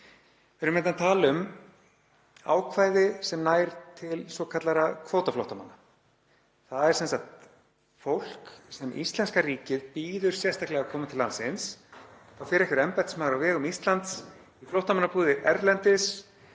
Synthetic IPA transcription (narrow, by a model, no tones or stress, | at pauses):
vɪɾʏmnɛnt̪ant̪ʰaːlʏm | a̰ːwkʰvaːjðɪsɛmnaːjɾt̪ʰɪlsɔkʰat̪laɾakʰvoːwt̪aflowht̪ama̰nːa | θaðɛɾsɛnsak̚t̪ | fowl̥ksɛmʔḭst̪lɛnskariːcɪðpiːðʏɾ̥sjɛst̪ʰahklɛɣakʰɔːmɪmt̪ʰɪlansɪns | awfɪɾɛkvɪɾɛmpajt̪smaːðɾawvɛːɣʏmist̪lant̪s | iflowht̪amanːapuːðɪɛɾlɛnt̪ɪs